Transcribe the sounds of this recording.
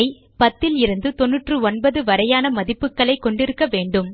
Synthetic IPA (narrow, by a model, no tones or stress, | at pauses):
ɪ | pɐt̪ːɪlɪɾɯnd̪ɯt̪ɔnːɯʈrɯɔnbɐðɯʋɐɾɐjaːnɐmɐðɪpːɯkːɐɭɐɪkːɔɳɖɪɾɯkːɐʋeːɳɖɯm